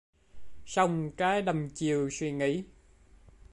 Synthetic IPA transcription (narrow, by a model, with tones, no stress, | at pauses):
sa˧wŋ͡mkaː˨˦jɗə˨˩mt͡ɕi˨əwswi˧ŋḭ˧˥